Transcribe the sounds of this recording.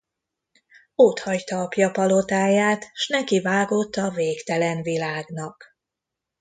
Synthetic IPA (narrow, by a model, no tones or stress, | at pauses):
ot̪hɒct̪ɒːpjɒpɒlo̞t̪aːjaːt̪ʃnɛkivaːɡo̞t̪ːɒveːkt̪ɛlɛnvilaːɡnɒk